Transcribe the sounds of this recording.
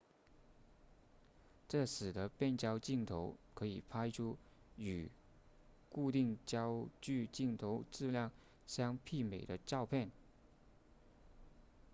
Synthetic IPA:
ʈ͡ʂɤ˥˩sɹ̩˨˩d̪ə˦pjɛ˥˩nt͡ɕjɑ˥ʊt͡ɕi˥˩ŋt̪ʰo˧˥ʊkʰɤ˧˥i˨˩pʰa˥ɪʈ͡ʂʰu˥ | y˨˩ | ku˥˧t̪i˥˧ŋt͡ɕjɑ˥ʊt͡ɕy˥˧t͡ɕi˥˩ŋt̪ʰo˧˥ʊʈ͡ʂɻ̩˥˧ljɑ˥˩ŋ | ɕjɑ˥ŋpʰi˥˩me˨˩ɪd̪ə˦ʈ͡ʂɑ˥˧ʊpʰjɛ˥˩n

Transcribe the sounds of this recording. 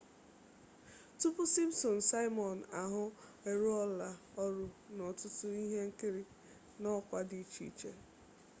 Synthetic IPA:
tʊ˦pʊ˦si˦msɔ˨n̩˨sa˦ɪ˦mɔ˨na˨ɦʊ˦e˨ɾu˦ɔ˦la˨ɔ˦ɾʊ˨nɔ˨tʊ˦tʊ˦i˦ɦe˦ŋ̩˦kɪ˦ɾi˦ | nɔ˦kʷa˦di˨˦t͡ʃḭ˦t͡ʃe˦

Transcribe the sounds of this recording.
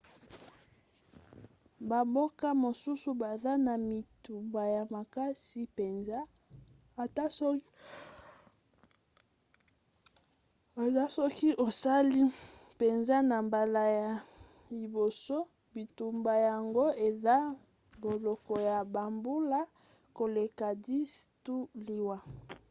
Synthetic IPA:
ba˨bo˦ka˦mo˨su˦su˦ba˨za˦na˨mi˨tu˨mba˨ja˨ma˨ka˦si˦pe˨nza˦ | a˨ta˦ | a˨za˦sɔ˦ki˦ʔo˨sa˦li˦pe˨nza˦na˨mba˨la˨ja˨ | li˨bo˨so˦ | bi˨tu˨mba˨ja˨ŋɡo˦e˨za˦ | bo˨lɔ˨kɔ˨ja˨ba˨mbu˦la˦ | ko˨le˨ka˨di˦stu˦li˨wa˨

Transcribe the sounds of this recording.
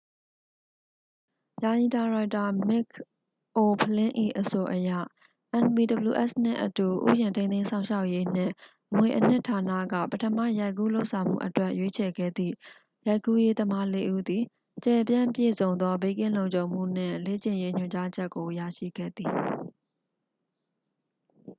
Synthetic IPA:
ja˨ji˨ta˨ɹa˨ɪta˨mɪ˦k̚ | ʔo˨pʰəlɪ̃˦ʔḭ˦˨ʔəso˨ʔəja̰˦˨ | ʔɛ̃˨npi˨də˨bəlṵ˨ʔɛ˦˨sn̥ɪ̰̃˦˨ʔətu˨ʔṵ˦˨jɪ̃˨ntʰẽ˦t̪ẽ˦sʰã˦˨ʊ̃ʃa˦ʊʔje˦n̥ɪ̰̃˦˨ | ʔəmwe˨ʔən̥ɪ̰̃˦tʰa˨na̰˦˨ɡä̰˦˨pətʰəma̰˦˨ja˦ɪkːṵ˦˨lo˦ʊʔsʰã˨ʊ̃m̥ṵ˦˨ʔətwɛ˦ʔjwe˦t͡ɕʰɛ˨ɡɛ̰˦˨d̪ðḭ˦˨ | ja˦ɪkːu˦je˦d̪əma˦le˦ʔṵ˦d̪i˨ | t͡ɕɛ˨pjã˦˨pjḛ˦˨zõ˨ʊ̃nd̪ɔ˦be˦kɪ̃˦˨lõ˨ʊ̃ɲt͡ɕõ˨ʊ̃m̥ṵ˦˨n̥ɪ̰̃˦˨le˦˨t͡ɕɪ̃˨je˦ɲ̥ʊ˨t͡ɕa˦d͡ʑɛ˦ʔkːo˨ja˦˨ʃḭ˦˨ɡɛ̰˦˨d̪i˨

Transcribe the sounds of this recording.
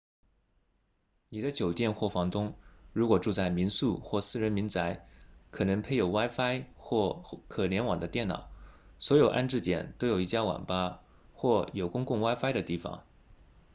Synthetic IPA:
ni˨˩d̪ə˦t͡ɕjo˨˩ʊt̪jɛ˥˧nxwɔ˥˩fɑ˧˥ŋt̪ʊ˥ŋɻu˧˥kwɔ˨˩ʈ͡ʂu˥˧t͡sa˥˩ɪmi˧˥nsu˥˧xwɔ˥˩sɹ̩˥˩ɻə˧˥nmi˧˥nt͡sa˧˥ɪkʰɤ˨˩nɤ˧˥ŋpʰe˥˧ɪjo˨˩ʊwa˥ɪfa˥ɪxwɔ˥˩kʰɤ˨˩ljɛ˧˥nwɑ˨˩ŋd̪ə˦t̪jɛ˥˩nnɑ̰˨˩˦ʊ | swɔ˧˥jo˨˩ʊʔa̰˥˧nʈ͡ʂɻ̩˥˩t̪jɛ̰˨˩nt̪o˥ʊjo˨˩ʊi˥˩t͡ɕja˥wɑ̰˨˩ŋpa˥ | xwɔ˥˩jo˨˩ʊkʊ˥ŋkʊ˥˩ŋwa˥ɪfa˥ɪɾə˨t̪i˥˩fɑ̰˨˩˦ŋ

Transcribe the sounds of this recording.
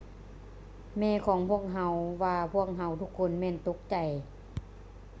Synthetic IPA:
mɛː˧˩˨kʰɔː˩˦ŋpʰu˥˩ək̚ɦa˧wʋaː˧pʰu˥˩ək̚ɦa˧˥wt̪ʰu˧˥kʰːo˧˥˨nmɛː˧˥˨nt̪o˧˥k̚t͡ɕa˨˩j

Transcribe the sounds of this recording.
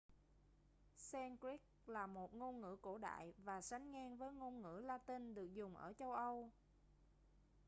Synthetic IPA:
sɛ˧nkɾi˦˥k̚laː˨˩mo˨˩t̚ŋo˧nŋɨ̰˧˥ko˧˩ɗa̰ː˧˨jvaː˨˩sa˨˦jŋŋɛː˧ŋvəː˨˦jŋo˧nŋɨ̰˧˥laː˧t̪i˧nɗɨ˨˩ək̚zʊ˨˩ŋ͡mʔə̰ː˧˩t͡ɕə˧wʔə˧w

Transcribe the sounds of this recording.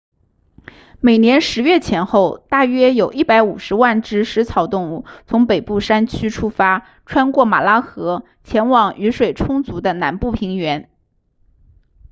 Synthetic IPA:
me˨˩ɪnjɛ˧˥nʂɻ̩˧˥ɥɛ˥˩t͡ɕʰjɛ˧˥nxo˥˧ʊt̪a˥˩ɥɛ˥jo˨˩ʊʔi˥˩pa˧˥ɪu˨˩ʂɻ̩˧˥wa˥˩nʈ͡ʂɻ̩˥ʂɻ̩˧˥t͡sʰɑ˨˧˩ʊt̪ʊ˥˧ŋu˥˩t͡sʰʊ˧˥ŋpe˨˩ɪpu˥˩ʂa˥nt͡ɕʰy˥ʈ͡ʂʰu˥fa˥ | ʈ͡ʂʰwa˥nkwɔ˥˩ma̰˨˩la˥xɤ˧˥ | t͡ɕʰjɛ˧˥nwɑ˨˩ŋy˧˥ʂwe˨˩ɪʈ͡ʂʰʊ˥ŋt͡su˧˥d̪ə˧na̰˧˥npu˥˩pʰi˧˥ŋɥɛ˧˥n

